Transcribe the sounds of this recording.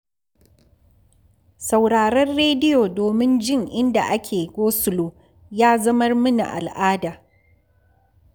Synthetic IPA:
sa˨wɽaː˨ɾɐ˦rːeː˦dɪ˦joː˨doː˨mɪ˦nd͡ʒɪ˦ŋʔɪ˦nda̰˨ʔa˦kʲʰeː˨ɡʷoː˦sʊ˨loː˨ | jaː˦zɐ˦mɐ˦rmʊ˦na̰˨ʔa̰˨lʔaː˦daː˨

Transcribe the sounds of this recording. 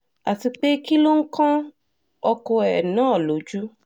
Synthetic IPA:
a˨ti˧k͡pe˦ki˦lo˦ŋ̩˦kã˦ | ɔ˧ko˧ɛ˨nãː˦˨lo˨˦d͡ʒu˦

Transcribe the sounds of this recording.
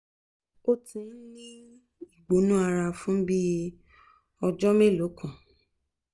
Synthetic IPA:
o˦˧tĩ˨˦nĩ˦ | i˦˨ɡ͡bo˨˦nũ˦a˧ɾa˧fũ˦bi˦ | ɔ˧d͡ʒɔ˦me˦˨lo˨˦kʰã˨

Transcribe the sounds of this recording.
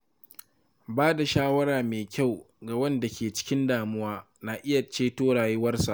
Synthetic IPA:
baː˦da˨ʃaː˦wɐ˦ɾaː˨meː˨kʲa˦˨w | ɡa˨wɐ˦nda˨kʲeː˨t͡ʃɪ̥˦kʲɪ˦ndaː˨mʊ˦waː˦ | naː˨ʔɪ˦ja˨t͡ʃeː˦toː˦ɽaː˨jeː˦wɐ˦rsa̰˨ʔ

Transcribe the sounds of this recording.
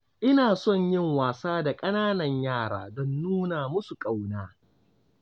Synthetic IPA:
ʔɪ˦naː˨sɔ˦˨ɲjɪ˦˨ŋwaː˨saː˦da˨kʼɐ˦naː˦nɐ˨ɲjaː˦˨ɽa̰ː˨dɔ˦nːuː˦naː˨mʊ˦su˨kʼa˨wnaː˦

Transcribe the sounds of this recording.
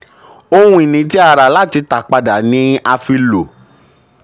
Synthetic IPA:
o˧hũ˧˦i˨nĩ˧˦t̬i˦a˧ɾa˨la˦˨ti˧ta˨k͡pa˧da˨nĩ˦a˧fi˧lo˨

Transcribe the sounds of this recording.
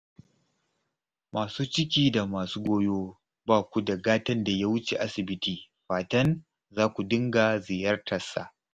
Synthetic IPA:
mʔaː˨suː˦t͡ʃɪ˦kʲiː˦˨da˨maː˨suː˦ɡʷoː˦joː˦ | baː˦kʷu˦dɐ˨ɡaː˦tɐ˦nda˨jaː˦wʊ˦t͡ʃe˨ʔa˦sɪ˨bɪ˦tiː˨ | ɸaː˨tɐ˦n | zaː˦kʷu˨dɪ˦ŋɡa˨zɪ˨jɐ˦rtʰɐ˨sa̰˨ʔ

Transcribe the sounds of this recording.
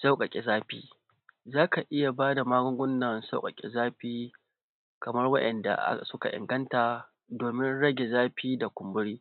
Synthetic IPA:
sa˦wkʼɐ˨kʲʼe˨zaː˦ɸḭː˦ | zaː˦ka˨ʔɪ˦ja˨baː˦da˨maː˦ɡʷʊ˦ŋɡʷʊ˦nːɐ˨nsa˦wkʼɐ˨kʲʼḛ˨zaː˦ɸiː˦ | kɐ˨mɐ˦rwɐ˦ʔɛ˨nda̰˨ʔsʊ˦ka̰˨ʔɪ̰˨ŋɡɐ˦ntaː˨ | doː˨mɪ˦nɽɐ˦ɡʲe˨zaː˦ɸiː˦da˨kʷʊ˨mbʊ˦ɽiː˦

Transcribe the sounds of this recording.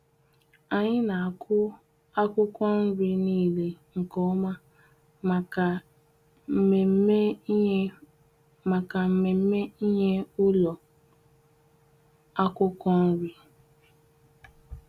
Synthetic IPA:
a˨ɲɪ˦na˨a˨kʰʊ˦ | a˦kʷʊ˦kʷɔ˦n̩˦ɾi˦niː˦˨le˦ŋ̩˨kɔ˦ma˦˨˦ | ma˨ka˨m̩˦me˨m̩˦me˦i˦ɲe˦ʊ˦lɔ˨ | a˦kʷʊ˦kʷɔ˦n̩˦ɾi˦

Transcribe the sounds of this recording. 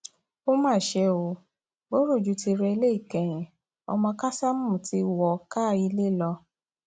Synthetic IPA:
o˦mãː˦˨ʃe˧o˨ | bo˦ɾo˦˨d͡ʒu˨˦ti˧ɾɛ˧i˧le˦i˦˨kɛ̃˨j̃ɛ̃˨ | ɔ̰˧mɔ̃˧ka˦sa˦mũ˦˨ti˧˦wɔ˨ka˦˨i˧le˦˨lɔ˧

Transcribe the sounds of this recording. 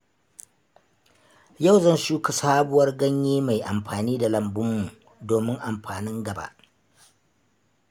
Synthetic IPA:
ja˦˨wzɐ˦nʃuː˦ka˨saː˦bʊ˨wɐ˦rɡɐ˦ɲjiː˦ma˨jʔa˨mɸaː˨niː˦da˨lɐ˨mbʊ˦mːu˨ | doː˨mɪ˦ŋʔa˨mɸaː˨nɪ˦ŋɡɐ˨ba̰˦ʔ

